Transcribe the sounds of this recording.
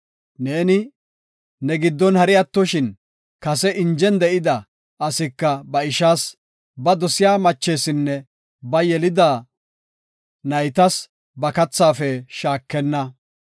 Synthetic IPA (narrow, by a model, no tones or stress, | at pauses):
ne̞ːnɪ | nɛɡɪd̪ːɔnhɐɾɪjɐt̪ːɔʃɪn | kɐsɛʔɪnd͡ʒɛnd̪ɛʔɪd̪ɐː | sɪkːɐbɐɪʃaːs | bɐd̪ɔsɪjaːmɐt͡ʃːe̞ːsɪnːɛ | bɐjɛlɪd̪aː | nɐjt̪ɐs | bɐkɐt͡sːaːfɛʃaːkːɛnːɐ